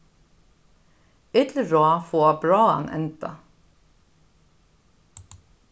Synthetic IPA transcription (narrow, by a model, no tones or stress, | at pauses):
ɪt̪lɹɔːfoːɑbɹɑːɑ̰nʔɛ̰nt̪ɑ̰